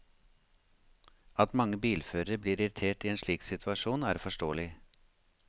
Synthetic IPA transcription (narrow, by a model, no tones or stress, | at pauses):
ɑt̪mɑŋːəbiːlføːɾəəbliːɾɪɾɪt̪ʰeːʈiːeːnʂɭiːksɪt̪ʰʉɑʃuːnæ̰ːɾfɔʂʈoːəlɪ